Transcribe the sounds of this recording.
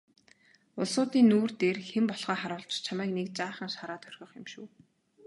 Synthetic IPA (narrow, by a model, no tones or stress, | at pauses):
ʊɮsʊːt̪iːnːuːrt̪eːrxempɔɮʁ̥aːχaɾʊːɮt͡ɕt͡ɕʰamæːknek̚t͡ɕaːχə̆ŋʃaɾaːt̪ʰœrʲxʲɞ̆χɪmʃuː